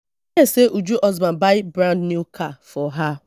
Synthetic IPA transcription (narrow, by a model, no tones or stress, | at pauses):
eseʔud͡ʒuʔɔzbabaɪbɾãndnukʰafɔɦa